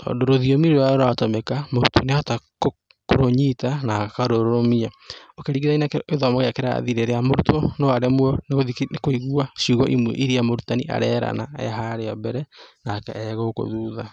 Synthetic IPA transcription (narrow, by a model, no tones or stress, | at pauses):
tɔ̰ːndoɾoðiomiɾooaɾoɾatɔmɛkamoɾutʰoneatak | koɾoɲitanakaɾoɾɾomiaokeɾiɣiðainakeðɔmoɣeakeɾa̰ðiɾeɾeamoɾutʰɔnoaɾɛmwɔneɣoðiekoiɣuaʃiuɣɔ̰ʔimwɛ̰ʔiɾiamoɾutaniʔa̰ɾɛɾa̰naɛ̰ɦaɾeɔbɛɾɛnakɛ̰ɛɣoko̰ðuːða